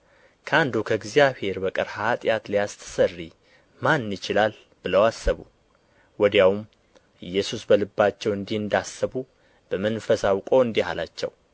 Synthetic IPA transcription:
kʰəand̪ukʰəɡzijaβhe̞ɾbəkʼɨɾhat̪ʼjat̪lijast̪ʰə̥sərːi | manːɪt͡ʃɪlal | b̥ɨləwasːəβṵ | wɔd̪jawum | ɨjːɛsusbəlɨbːat͡ʃːɛwɨnd̪ihɨnd̪asːəβu | b̥əmənfəsawkʼo̞ɨnd̪iha̰la̰t͡ʃːɛ̰w

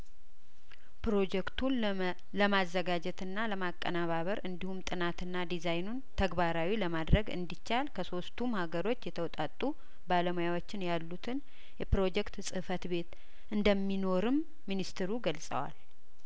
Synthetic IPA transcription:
pɾo̞d͡ʒɛkt̪ʰun | ləmazːəɡad͡ʒɛt̪ɨnːaləmakʼːənaβaβəɾɨnd̪ihumt̪ʼɨnat̪ɨnːad̪izajnunt̪ʰəɡbaɾawiləmad̪ɾəɡɨ̰nd̪it͡ʃːalkʰəso̞st̪ʰumhaɡəɾo̞t͡ʃːjɛt̪ʰəwɔt̪ʼat̪ʼːu | baləmojawot͡ʃːɪnjalːut̪ʰɨn | jɛpɾo̞d͡ʒɛkt̪sʼɨhfət̪be̞t̪ | ʔɨnd̪əmːino̞ɾɨmː | inist̪ʰɨɾuɡəlsʼə̰wa̰l

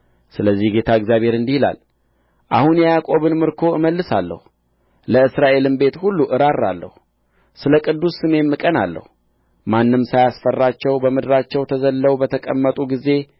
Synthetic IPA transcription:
sɨləzːihɡe̞t̪ʰaɨɡzjaβhe̞ɾɨnd̪ihila̰l | ʔa̰hunjjakʼo̞βɨnmɨɾkʰo̞ɨməlːɨsalːə̰hu | ləɨsɾaʔe̞lɨmbe̞t̪hulːuʔɨɾarːa̰lːə̰hu | sɨləkʼɨd̪ːusːɨme̞mːɨkʼənalːə̰hu | manːɨmsajasfərːat͡ʃːɛwbəmɨd̪ɾat͡ʃːɛwt̪ʰəzəlːəwbət̪ʰəkʼəmːət̪ʼuɡize̞

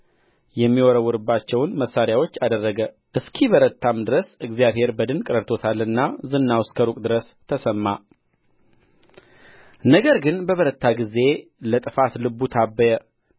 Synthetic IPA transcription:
jɛmːiwɔɾəwuɾɨbːat͡ʃːɛwnməsːaɾjawo̞t͡ʃːad̪ərːəɡə | ʔɨskʰiβəɾət̪ʰːamd̪ɨɾəsɨɡzijaβhe̞ɾbəd̪ɨnkʼɨɾəɾt̪ʰo̞t̪ʰalːɨnːazɨnːawskʰəɾukʼd̪ɨɾəs | t̪ʰəsəmːa | nəɡəɾɡɨnbəβəɾət̪ʰːaɡize̞lət̪ʼɨfat̪lɨbːut̪ʰabːəjə

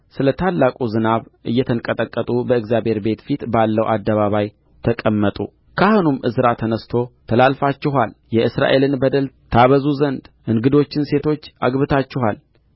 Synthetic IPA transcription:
sɨlət̪ʰalːakʼuzɨnaβʔɨjːɛt̪ʰəŋkʼət̪ʼəkʼːət̪ʼubəɨɡzjabhe̞ɾbe̞t̪fit̪balːəwʔa̰d̪ːəβaβaj | t̪ʰəkʼəmːət̪ʼṵ | kʰahonumʔɨsɨɾat̪ʰənəst̪ʰo̞t̪ʰəlalfat͡ʃːɪɦaljɛʔɨsɾa̰ʔe̞lɨnbəd̪əl | t̪ʰaβəzuzənd̪ʔɨŋɡɨd̪o̞t͡ʃːɪnse̞t̪ʰo̞t͡ʃːaɡβɨt̪ʰat͡ʃːɪɦal

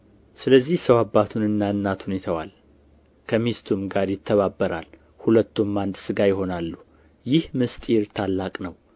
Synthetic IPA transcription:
sɨləzːihsəwabːat̪ʰunɨnːaɨnːat̪ʰunit̪ʰawa̰l | kʰəmist̪ʰumɡaɾjɪt̪ʰːəβabːəɾa̰l | hulət̪ːumːand̪sɨɡajɪɦo̞nalːu | jɪhmɨst̪ʼiɾt̪ʰalːakʼnəw

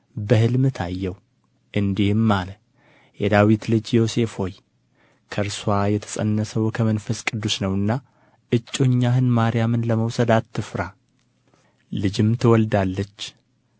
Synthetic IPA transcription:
bəhɨlmɨt̪ʰajːɛw | ʔɨnd̪ihmːalə | jɛd̪awit̪lɨd͡ʒjo̞se̞fho̞j | kʰəɾswajɛt̪ʰə̥sʼə̰nːəsəwkʰəmənfəskʼɨd̪ːusnəwɨnːa | ʔɨt͡ʃʼːoɲːahɨnmaɾɪjamɨnləməwsəd̪at̪ʰːɨfɾa | lɨd͡ʒɪmt̪ʰɨwɔld̪alːət͡ʃː

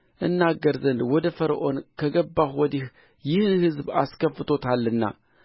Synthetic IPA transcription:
ʔɨnːaɡəɾzənd̪wɔd̪ɐfəɾʔo̞nkʰɐɡɐbːaxwɔd̪ih | jɪhnhɨzba̰skʰəfɨt̪ʰo̞t̪ʰalːɨnːa̰

